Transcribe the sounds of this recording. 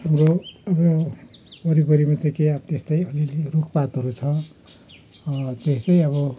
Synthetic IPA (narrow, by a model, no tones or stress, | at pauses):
hamroʌbʌ | bʌɾibʌɾimat͡sʌkeabt̪est̪ʌjʌlilrukʰpat̪ɦʌɾut͡sʰʌ | t̪est̪ʌjʌβʌ